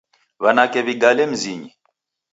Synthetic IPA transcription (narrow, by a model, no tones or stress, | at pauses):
βanakɛβiɡalɛm̩ziɲi